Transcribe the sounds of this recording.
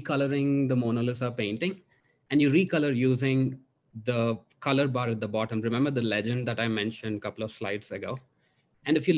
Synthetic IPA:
kʌləɾɪ̃ŋd̪əmoːnolɪsɔpẽɪ̃ɳʈɪ̃ŋ | æ̃ɳɖjuɾiːkʌləɾjuːzɪ̃ŋ | d̪ə | kʌləɾbaːɾəʈ̚d̪əbɔːʈə̃mɾɪmɛ̃mbəɾd̪əlɛd͡ʒə̃ɳɖd̪æʈaɪmɛ̃nʃə̃nɖkʌpəl̩ɔʋslaɪɖsəɡoː | æ̃ɳɖɪfju

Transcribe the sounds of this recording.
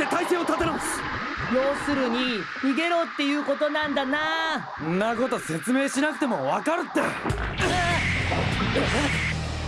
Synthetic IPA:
t̪et̪aiseːot̪at̪enãsɨ̥ | jo̞ːsɨɾɯ̟ɲ̟iɲʲiɡe̞ɾo̞ːt̪ːe̞jɯ̟ːko̞t̪o̞nãnd̪ana | õnːako̞t̪o̞se̞t͡sɨme̞ːɕinakɯ̟̥t̪e̞mo̞βakaɾɯ̟t̪ːe

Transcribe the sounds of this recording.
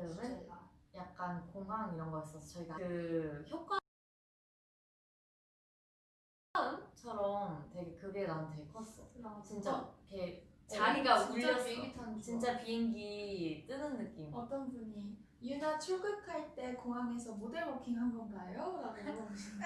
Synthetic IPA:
ɯnɯnjak̚k͈ankoŋɦaŋiɾʌnɡʌis͈ʌsʰʌt͡ɕʌiɡakɯçjok̚k͈wa | ɯmt͡ɕʰʌɾʌmtwe̞ɡe̞kɯɡeɾanɯnteɭkʰʌs͈ʌjot͡ɕint͡ɕ͈akʰet͡ɕaiɡauɭʌtʰant͡ɕint͡ɕ͈apiiŋɡit͈ɯnɯnːɯk͈imʌt͈ʌnbuɲi | junat͡ɕʰuɭɡɯkʰaɭt͈e̞koŋɦaŋe̞sʰʌmodeɭmokʰiŋɦanɡʌnɡajoɾaɡoi

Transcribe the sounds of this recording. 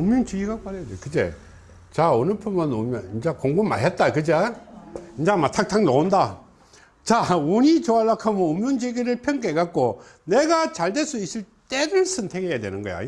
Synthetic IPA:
ɯmjɯŋt͡ɕiɡiɡapaɾejadekɯd͡ʑḛ | t͡ɕaonɯpʰɯnʌnomjʌnind͡ʑakoŋɡumːa̰ɦet̚t͈akɯd͡ʑa | ind͡ʑamatʰak̚tʰaŋnonda | t͡ɕauɲit͡ɕoalːakʰamɯnomjuŋd͡ʑeɡiɾɯɭpʰjʌŋɡeɡak̚k͈oneɡat͡ɕaɭdes͈uis͈iɭ | t͈edɯɭsʰɯntʰeɡejadwenɯnɡʌja̰

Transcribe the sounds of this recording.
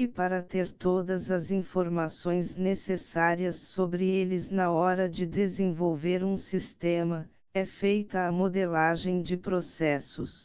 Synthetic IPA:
ɪpaɾɐt̪eɾt̪od̪ɐzɐzĩfoɾmasõj̃znesesaɾiɐsːobɾɪelɪznɐɔɾɐd͡ʒɪd̪ezẽvowveɾũsist̪ẽmɐ | ɛfejt̪ɐːmod̪elaʒẽj̃d͡ʒɪpɾosɛsʊs

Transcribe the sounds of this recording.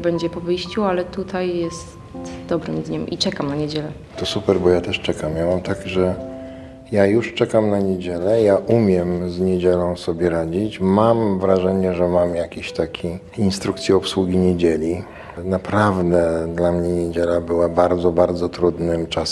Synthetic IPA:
bɛɲd͡ʑɛpɔvɘjɕt͡ɕualɛt̪ut̪ʰajjɛs | t̪d̪ɔbɾɘmd̪ɲɛmʔḭt͡ʂɛkamnaɲed͡ʑɛlɛ | t̪ɔsupɛɾbɔjat̪ɛʂt͡ʂɛkamjamamt̪aɡʐɛ | jajuʂt͡ʂɛkamnaɲed͡ʑelɛjaʔumʲjɛmzɲed͡ʑɛlɔ̃w̃sɔbʲjɛɾad͡ʑit͡ɕmamvɾaʐɛɲɛʐɛmamjakʲiɕt̪akʲʰi | inst̪ɾukt̪sʲjɛɔpswuɡʲiɲed͡ʑelʲi | napɾavd̪ɛd̪lamɲɛɲed͡ʑelabɘwabaɾd̪zɔbaɾd̪zɔt̪ɾud̪nɘmt͡ʂas

